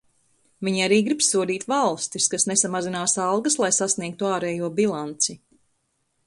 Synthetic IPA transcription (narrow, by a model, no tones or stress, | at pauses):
viɲiaɾiːɡɾipsuɔd̪iːt̪valˠst̪iskasnesamazinaːsɑlˠɡɐslˠajsasniɛk̚t̪uaːɾɛːjuɔbilˠant̪si